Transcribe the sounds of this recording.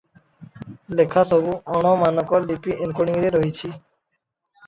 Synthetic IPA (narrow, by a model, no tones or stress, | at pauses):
lekʰasobuɔnɔmanɔkɔɾlipiʔenkoniŋɾeɾoɦit͡ɕʰi